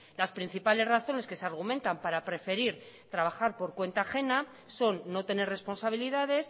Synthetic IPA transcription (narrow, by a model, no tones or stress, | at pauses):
laspɾin̟θipale̞zraθo̞ne̞ske̞seaɾɣ̞umẽ̞nt̪ampaɾapɾe̞fe̞ɾiɾ | t̪ɾaβ̞axaɾpo̞ɾkwe̞nt̪aːxe̞na | so̞nːo̞t̪e̞ne̞re̞spo̞nsaβ̞iliðað̞e̞s